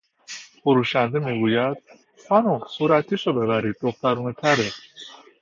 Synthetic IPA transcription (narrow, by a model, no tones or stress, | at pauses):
foɾuːʃænd̪emiːɡuːjæd̪̥̚ | xɒːnusuːɾæt̪ʰːiːʃobe̞bæɾiːd̪̚ːoxt̪æɾuːnet̪ʰæɾe